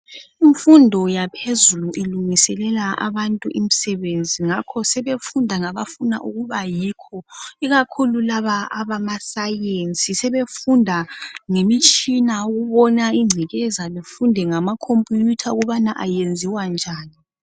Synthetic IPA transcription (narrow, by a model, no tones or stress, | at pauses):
iɱfundʱɔjapʰezuluʔiluŋisɛlɛlaa̰βantʼuʔim̩sɛβend͡zʱiŋakʰɔsɛβefundʱaŋaβafuna̰ʔuɣuβajiːkʰɔiɣakʰululaβaaβamasajent͡sʼisɛβefundʱaŋemit͡ʃʼinauɣuβɔnaiŋ͡ǀʱiɣɛzalefundʱɛŋamakʰompʼujutʰauɣuβanaʔajend͡zʱiwand͡ʒʱaːni